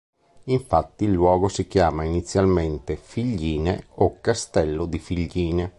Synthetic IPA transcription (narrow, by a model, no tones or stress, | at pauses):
iɱfat̪ːiːlːwɔːɡosikjaːmainit̪sːjalment̪efiʎːiːnḛokːast̪ɛlːod̪ifiʎːiːne